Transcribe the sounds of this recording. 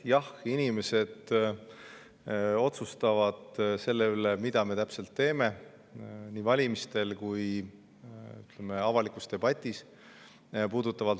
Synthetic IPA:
jɑhinime̞se̞d̪̥ | o̞t̪sust̪ɑvɑd̪̥se̞lːe̞ylemid̪̥ɑme̞t̪æpse̞lt̪ːe̞ːme̞ | niːvɑlʲimist̪e̞lkuj | yt̪ˑle̞me̞ɑvɑlikust̪e̞b̥ɑt̪ʲːˑis | puːd̪̥ut̪ːˑɑvɑ

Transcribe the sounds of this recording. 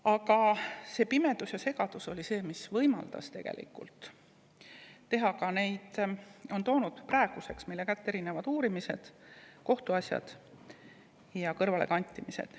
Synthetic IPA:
ɑkɑse̞ːpime̞d̪̥usjɑse̞ɡ̥ɑd̪̥uso̞lʲise̞ːmisvɤjmɑ̰ld̪̥ɑ̰st̪e̞ɡ̥ḛlʔḭkːult̪ | e̞ɦɑkɑne̞jd̪o̞nt̪o̞ːnud̪̥prɑeɡ̥use̞ksmijlːe̞kæt̪ːeɾinevɑd̪uːɾimise̞d̪̥ko̞ht̪uɑsʲjɑ̰d̪̥ | jɑkɤrvɑle̞̰kɑnʲt̪ʲːˑimisḛd̪̥

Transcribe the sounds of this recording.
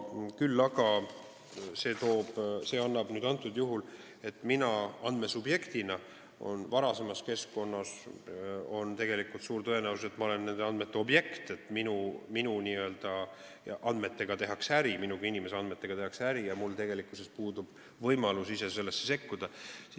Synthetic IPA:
kylːɑɡ̥ɑ | se̞ːt̪o̞ːb̥se̞ːɑnːɑb̥nyːd̪ɑnt̪ːˑud̪juɦul | e̞t̪ːˑminɑɑnd̪me̞subje̞kt̪inɑ | o̞̰nvɑɾɑse̞mɑske̞sko̞nːɑs | o̞nt̪e̞ɡe̞likːˑult̪suːɾt̪ɤenæwuse̞t̪ːˑmɑo̞le̞nːe̞nd̪eɑnd̪me̞t̪ːˑe̞o̞bje̞kt̪e̞t̪ːˑminuminuniø̞ld̪̥ɑ | ʔɑnd̪me̞t̪ːe̞ɡ̥ɑt̪e̞ɦɑksæɾiminukiinime̞seɑnd̪me̞t̪ːˑe̞ɡ̥ɑt̪e̞ɦɑksæɾijɑmult̪e̞ɡ̥elikuse̞spuːd̪ub̥ | vɤjmɑlusise̞s̬e̞lːe̞sːese̞kːud̪̥ɑsi

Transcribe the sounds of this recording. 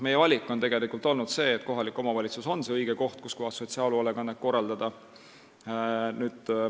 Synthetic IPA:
me̞jevɑlʲikːˑo̞nt̪e̞ɡ̥e̞likult̪o̞lnud̪̥se̞ːt̪ːˑko̞ɦɑlikːˑo̞mɑvɑlʲit̪suso̞nse̞ɤjɡ̥eko̞ht̪̚kuskuɦɑsːo̞t̪siɑːluoleɡɑnɑp̚ko̞rːɑld̪ɑd̪̥ɑ | nyːd̪̥

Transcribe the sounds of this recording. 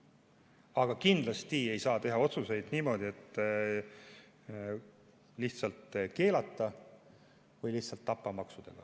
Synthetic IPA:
ɑɡ̥ɑkind̪lɑst̪ie̞jsɑːt̪e̞ɦɑo̞t̪suse̞jd̪̥niːmo̞ːd̪̥ie̞t̪ː | liçt̪sɑlt̪ke̞ːlɑt̪ːˑɑ | vɯjliht̪sɑlt̪ːɑpːˑɑmɑksud̪̥ḛɡ̥ɑ̰

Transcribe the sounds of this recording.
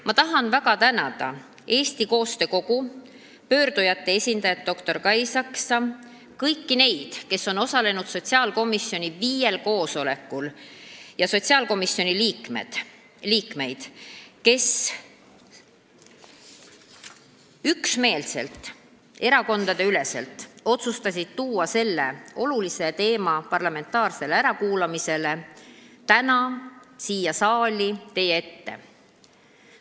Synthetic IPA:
mɑt̪ɑɦɑnvæɡɑt̪ænɑd̪̥ɑ̰ | e̞ːst̪iko̞ːst̪e̞ko̞ɡ̥u | pø̞ːɾd̪̥ujɑt̪ːe̞e̞sʲind̪̥ɑjɑt̪̚ːo̞kt̪o̞rkɑjsɑksɑ | kɤjkːine̞jd̪̥ke̞sːo̞no̞sɑle̞nud̪̥so̞t̪ʲsiɑːlko̞misːjo̞nʲiviːje̞lko̞ːso̞le̞kːˑuljɑso̞t̪siɑːlko̞misjo̞nʲiliːkm̰ | liːkme̞jd̪̥ke̞s | yksme̞ːlse̞lt̪ːˑ | e̞ɾɑko̞nd̪̥ɑd̪̥e̞yle̞se̞lt̪ːˑo̞t̪sust̪ɑsʲid̪̥̚t̪uːɑse̞lːe̞o̞lulise̞t̪e̞ːmɑpɑrlɑme̞nt̪ːˑɑːrse̞leæɾɑkuːlɑmise̞le̞t̪ænɑsiːjɑsɑːlʲit̪e̞jee̞t̪ːe̞̰

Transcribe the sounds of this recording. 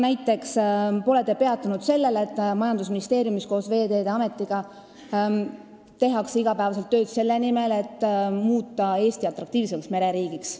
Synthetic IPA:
næjt̪ːˑe̞kspo̞let̪ːˑe̞pe̞ɑt̪ːˑunud̪̥se̞lːe̞let̪ːˑmɑjɑnd̪usminist̪e̞ːɾjumisko̞ːsve̞ːd̪e̞ːd̪eɑme̞t̪ːˑiɡ̥ɑ | t̪e̞ɦɑksiɡ̥ɑpæevɑselt̪ːø̞ːd̪se̞lːe̞nime̞le̞t̪ːmuːt̪ːˑɑe̞ːst̪iɑt̪ːˑɾɑk̚t̪iːvseksme̞ɾe̞ɾiːɡiks

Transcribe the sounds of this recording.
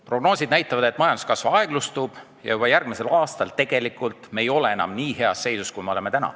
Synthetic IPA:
pro̞ɡ̥no̞ːsʲid̪̥næjt̪ːˑɑvɑd̪e̞t̪ːˑmɑjɑnd̪u̥skɑsvɑɑe̞ɡ̥lust̪uːb̥ | jɑ̰jub̥ɑjærɡ̥mise̞lɑːst̪ɑlt̪e̞ɡ̥e̞likːˑult̪ˑmejo̞le̞enɑ̰mniːhe̞ɑsːe̞jsuskujme̞o̞le̞me̞t̪ænɑ̰

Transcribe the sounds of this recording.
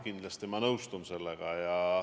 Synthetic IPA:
kind̪lɑst̪imɑnɤwst̪unse̞lːeɡ̥ɑjɑ

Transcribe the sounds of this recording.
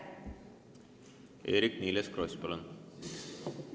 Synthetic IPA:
ʔḛːɾɪknɪləskɾɔʏspolən

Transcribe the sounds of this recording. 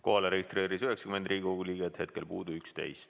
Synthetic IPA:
ko̞ɦɑleɾeɡist̪re̞ːɾisyɦeksɑ̥ymend̪riːɡioɡuliːɡet̪he̞t̪̚kelpuːd̪̥uykst̪e̞̰jst̪

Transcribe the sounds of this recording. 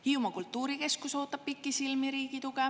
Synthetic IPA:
hiumɑkult̪ːˑuːɾike̞skuso̞ːt̪ːˑɑb̥̚pikːˑisilmiɾiːɡit̪ukɛ

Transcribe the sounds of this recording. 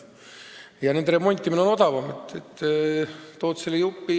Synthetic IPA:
jɑne̞nd̪eɾe̞mo̞nʲt̪ʲːˑiminːo̞no̞d̪ɑvɑmet̪ːet̪ː | t̪o̞ːt̪selːejupːi

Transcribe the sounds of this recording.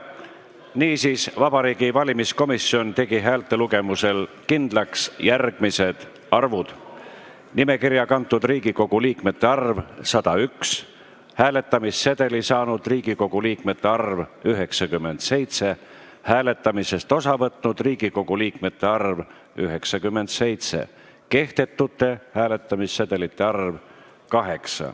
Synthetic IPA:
niːsiːsvɑb̥ɑɾiːɡ̥ivɑlʲimisko̞misːio̞nt̪e̞ɡ̥iɦæːlt̪ːˑe̞luɡe̞muse̞l | kind̪̥lɑksjærɡ̥mise̞d̪̥ | ɑrvud̪̥ | nime̞kiɾjɑkɑnt̪ːˑud̪riːɡ̥iko̞ɡ̥uliːkme̞t̪ːˑe̞ɑrvsɑd̪̥ɑyks | hæːle̞t̪ːˑɑmisːed̪̥e̞lisɑːnud̪̥riːɡ̥iko̞ɡ̥uliːkme̞t̪ːˑeɑrvyɦe̞ksɑkymːe̞nd̪̥se̞jt̪se̞ | hæːle̞t̪ːˑɑmise̞st̪o̞sɑvɤt̪nud̪̥riːɡ̥iko̞ɡ̥uliːkme̞t̪ːe̞ɑrv | yɦe̞ksɑkymːe̞nd̪̥se̞jt̪se̞̰ | ke̞ht̪e̞t̪ːut̪ːe̞hæːle̞t̪ːˑɑmisːet̪e̞lit̪ːˑe̞ɑrv | kɑɦe̞ksɑ̰

